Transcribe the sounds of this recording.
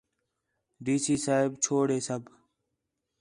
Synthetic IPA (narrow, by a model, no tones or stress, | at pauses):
ɖiːsiːsaːɪbt͡ʃʰoːɽeːsəbʱ